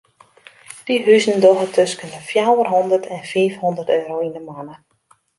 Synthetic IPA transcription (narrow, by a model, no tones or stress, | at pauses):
d̥iɦyzən̩dɔɣətʰøskəndəfjawərɦondərtʰɛnfiːfhɔndərtøːɾoindəmanə